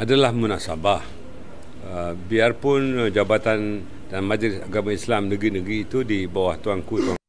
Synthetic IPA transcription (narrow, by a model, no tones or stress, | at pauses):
ʔadalahmunaʔsabah | əbiarpʊnd͡ʒabat̪an | danmad͡ʒlɪsaɡamãislamnəɡɾinəɡɾiːt̪udibawaht̪uaŋkut̪ua